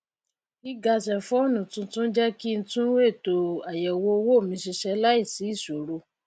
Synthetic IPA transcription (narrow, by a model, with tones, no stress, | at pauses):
i˦ɡa˧sɛ˨fɔ˦o˦˨nũ˨tũ˧tũ˦d͡ʒɛ˦ki˦n̩˧˦tũ˦we˦˨to˨a˨jɛ˨wo˧˦wo˦˨mĩ˧ʃi˧ʃɛ˧la˦i˦˨si˨˦i˦˨ʃo˨ɾo˧